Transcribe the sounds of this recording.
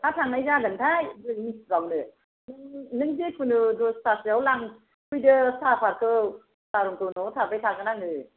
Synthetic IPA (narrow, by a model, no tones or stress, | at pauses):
tʰatʰaŋnajzadɯntʰajbɯiɡawnɯ | nɯŋnɯŋzekʰɯnɯdɔstasiawlaŋ | kʰujdɯsapʰaɾkʰɯ | saɾɔŋkɯnɔtʰapajtʰaɡɯnaŋɯ